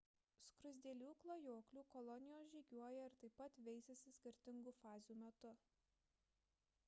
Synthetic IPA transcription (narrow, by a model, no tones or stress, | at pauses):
skɾʊzʲd̪ʲeːlʲuːklˠoːjoːklʲuːkɔlˠɔnʲɪjoːsʒʲiːɡʲuɔjɛɪɾt̪ɐɪpːɐt̪ʋʲɛɪsʲɛsʲɪsʲkʲɪɾʲt̪ʲɪŋɡuːfɑːzʲjuːmʲɛt̪ʊ